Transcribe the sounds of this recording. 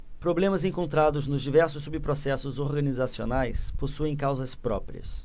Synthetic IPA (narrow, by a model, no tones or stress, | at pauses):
pɾoblẽmɐzẽŋkõnt̪ɾad̪ʊznʊzd͡ʒivɛɾsʊsːubɪpɾosɛsʊzoɾɡɐnizasionajsposuẽj̃kawzɐspɾɔ̰pɾḭɐ̰s